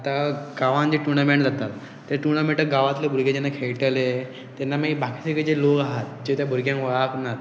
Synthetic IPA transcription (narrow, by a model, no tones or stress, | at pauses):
at̪aɡaʋãnd͡ʑiʈuɾnamẽɳʈd͡zʱat̪at̪ː | eɾʈuɾɳ̃amiʈəɾɡaʋat̪lebʱuɾɡed͡ʑenːakʰeɭʈele | t̪ɛnːamaibakʰisəked͡ʑelokaɦat̪̚d͡ʑet̪jabʱuɾɡjãŋkʋəɭaknat̪